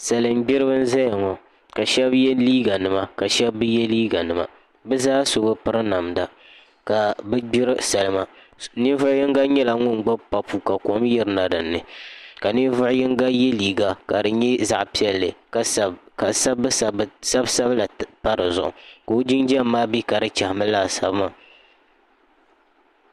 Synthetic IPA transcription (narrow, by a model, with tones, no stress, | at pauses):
sa˨lɨ˨mɡ͡bɪ˦ɾɨ˦bɨ˦n̩˦za˦ja˨ŋɔ˨ | ka˨ʃɛ˦bjɛ˦liː˦ɡa˨nɨ˨ma˦ka˨ʃɛ˦bːɨ˦jɛ˦liː˦ɡa˨nɨ˨ma̰˨ | bɛ˦zaː˦so˦bɨ˦pɨ˦ɾɨ˦na˨mda˨ | ka˨bɛ˦ɡ͡bɪ˦ɾɨ˦sa˨lɨ˦ma˨ | ni˦vʊ˦ʊ˦jɪ˦ŋɡa˦ɲɛ˦la˨ŋʊ˦nɡ͡ba˦bpa˨pu˨ka˨kɔ˨˦mjɛ˨ɾɨ˦na˨dɨ˨nːɨ˨ka˨ni˦vʊ˦ʔʊ˦jɪ˦ŋɡa˦jɛ˦liː˨ɡa˨ka˨dɨ˨ɲɛ˦za˨ʔpi˦ɛ˦lːɨ˨kka˨sa˦bsa˦bsa˦bla˨pa˦ɾɨ˨zʊ̰˨ʔʊ̰˨ka˨o˦d͡ʒi˦nd͡ʒɛ˦mː˦aː˦bi˦ka˨ɾɨ˦t͡ʃa˨hmɨ˦laː˦˨sa̰˨bɨ˦ma˦˨